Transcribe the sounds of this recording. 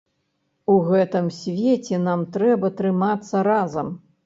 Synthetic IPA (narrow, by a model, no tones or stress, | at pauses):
uɣɛt̪ɨmsʲvʲet͡sʲɛnamt̪ɾɛbɐt̪ɾɨmat̪sːɐɾazɐm